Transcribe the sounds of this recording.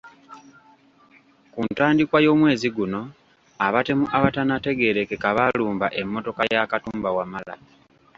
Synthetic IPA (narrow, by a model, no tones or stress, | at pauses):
kuntaːndikwajo̞ːmwe̞ːziɡuno̞ | aβate̞muʔaβatanate̞ɡe̞ɾe̞kekaβaluːmbaʔe̞mːo̞to̞kajakatuːmbawamala̰